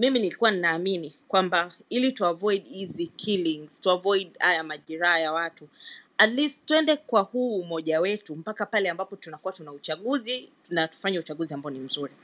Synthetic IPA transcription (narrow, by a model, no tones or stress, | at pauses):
miminilikuwaninaːminikwambailituavɔjɗhizikʰiliŋz̥tuavɔjɗa̰jamaʄiɾaːjawatuatlisttːuɛndɛkwahuːmɔʄawɛtum̩pakapalɛambapɔtunakuwatunaut͡ʃaɠuzi | natu̥faɲaut͡ʃaɠuziambaɔnim̩zuɾi